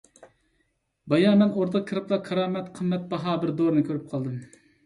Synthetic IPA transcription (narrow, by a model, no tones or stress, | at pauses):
bɑjɑːmɛnoɾd̪ɑkʲʰəɾɨplˠɑkʰːɑɾɑːmɛt̪qʰəmːɛt̪̚bɑɦɑbɪɾd̪oɾɨnɨkʲʰøɾyp̚qʰɑlˠd̪ɨm